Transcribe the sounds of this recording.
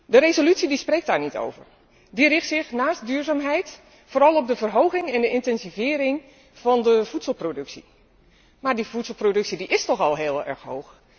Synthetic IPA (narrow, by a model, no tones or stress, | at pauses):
dəɾezolytsidisprejk̚tdaːɹnito̰wvə̰r | dirɪxtsɪxnaːst̚dyːɹzaːmɦɛjt | foːɾɑlˠɔp̚dəvərɦowɣɪŋɛndəʔɪntɛnzivɪːɾɪŋ | v̥ɑndəv̥utsəl̩ˠprodɵksi | maːɹdivutslˠprodɵksidiʔɪstɔxɑlˠɦɪːlˠɛ̰ɹxɦo̰wx